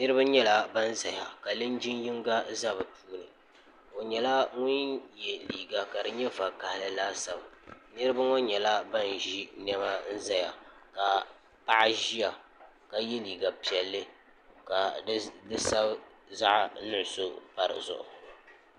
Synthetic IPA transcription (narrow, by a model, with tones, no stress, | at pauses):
nɨ˦ɾɨ˦ba˦ɲɛ˦la˦ba˦n˦za˨ja˨ka˨lɨ˦nd͡ʒi˦nji˦ŋɡa˦za˦bɨ˨pʰuː˦nɨ˨ | o˨ɲɛ˨la˦ŋʊ˦njɛ˨liː˨ɡa˨ka˨dɨ˨ɲɛ˦va˨ka˨hɪ˨lɨ˨laː˦sa˨bnɨ˦ɾɨ˦ba˦ŋo˦ɲɛ˨la˦ba˦nʒi˦nɛ˦ba˦n̩˦za˦ja˨ka˨ | pa˦ʔa˦ʒi˦ja˨ | ka˨je˦liː˨ɡa˨pi˨ɛ˨lːɨ˦ | ka˨˦dɨ˦sa˦b | za˦ʔnʊ˦ʔso˦pa˨ɾɨ̰˨zʊ̰˨ʔʊ̰˨